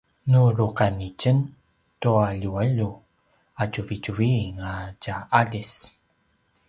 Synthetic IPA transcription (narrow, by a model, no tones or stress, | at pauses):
nuɾukanicən | tuaʎuaʎu | at͡ʃuvicuviŋacaʔaɮis